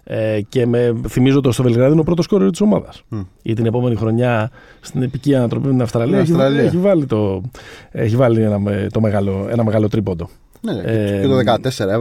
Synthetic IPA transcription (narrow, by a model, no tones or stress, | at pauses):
ece̞meθimizot̪st̪o̞ve̞lɣɾɐðiinopɾo̞t̪o̞sko̞ɾiot̪i̥so̞mɐðɐsit̪ine̞po̞me̞nixɾo̞ɲɐ | st̪inepiciɐnɐt̪ɾo̞pimet̪inɐfst̪ɾɐliɐeçieçivɐlit̪o̞ | eçivɐlienɐmt̪o̞me̞ɣɐlo̞enɐmeɣɐlo̞t̪ɾipod̪o̞ | nt̪oðekɐt̪eseɾɐ